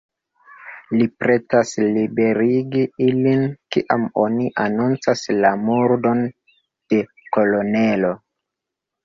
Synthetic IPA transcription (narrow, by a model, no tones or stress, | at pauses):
lipɾe̞taslibe̞ɾiɡiilinkḭʔamoniʔanunt͡saslamuɾdo̞n | d̥e̞ | ko̞lo̞nelo̞